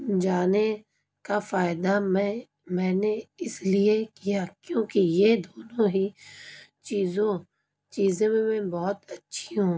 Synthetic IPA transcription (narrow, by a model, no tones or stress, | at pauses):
d͡ʒaːne | kafaːɪd̪amɛ̃ | mɛ̃ːneɪsliekijakjõːkejed̪oːnõɦi | t͡ʃiːzõ | t͡ʃiːzẽmẽmẽbɔːt̪ɐtːʃʰiɦũː